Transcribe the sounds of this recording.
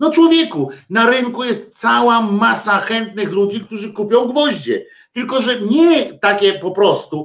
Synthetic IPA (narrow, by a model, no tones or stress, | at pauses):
nɔt͡ʂwɔvʲjɛkunaɾɪŋkujɛst̪̚t̪sawamasaxɛnt̪̚nɘxlud͡ʑikt̪uʐɘkupʲjɔ̃w̃ɡvɔʑd͡ʑɛ̰ | t̪ɘlkɔʐɛɲɛt̪akʲɛpɔpɾɔst̪u